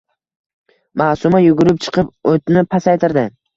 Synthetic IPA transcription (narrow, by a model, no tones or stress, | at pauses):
masʊmajʊɡʊɾɪp̚t͡ʃʰɨ̥qʰɨpot̪nɪpʰːasajt̪ʰɪɾd̪ɪ